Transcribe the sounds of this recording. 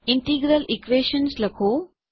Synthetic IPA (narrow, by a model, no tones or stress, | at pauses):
ɪɳʈiːɡɾəlikʋeːʃənslɐkʰoː